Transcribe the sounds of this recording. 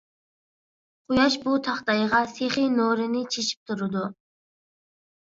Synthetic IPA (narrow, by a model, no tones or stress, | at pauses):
qʰʊjɑʃbut̪ʰɑχt̪ɑjʁɑseχinoɾɪnɪt͡ʃʰeʃi̥p̚t̪ʰuɾɨd̪u